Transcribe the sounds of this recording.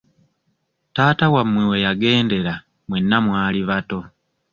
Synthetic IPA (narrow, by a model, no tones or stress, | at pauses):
taːtawamːwewejaɡe̞ːnde̞ɾa | mwe̞nːamwaːliβato̞